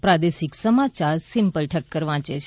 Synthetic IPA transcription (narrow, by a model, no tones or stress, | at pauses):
pɾad̪eʃɪksəmat͡ʃaɾsɪ̃mpəlʈʰəkːəɾʋãt͡ʃet͡ʃʰe